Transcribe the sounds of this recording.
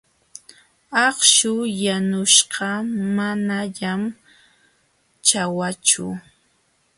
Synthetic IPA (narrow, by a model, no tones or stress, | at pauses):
ɑχʃʊjanʊʃɢɑmanaʎam | t͡ʃawat͡ʃʊ̰